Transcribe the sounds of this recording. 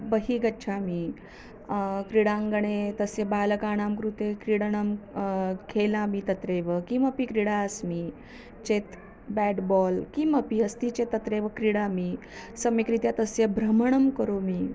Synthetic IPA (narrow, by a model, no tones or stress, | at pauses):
bəɦiːɡətːt͡ʃʰami | kɾiɽãŋɡəɳ̃et̪əsjebaːləkaːɳ̃amkɾut̪ekɾiɽɳəm | kʰelamit̪ət̪ɾeʋəkiməpikɾiɽasmiː | t͡ʃet̪ | bɛɖbɔlkiməpiəst̪it͡ɕet̪ːət̪ɾeʋəkɾiɽami | səmikɾit̪jat̪əsjebʱɾəməɳ̃əmkəɾomiː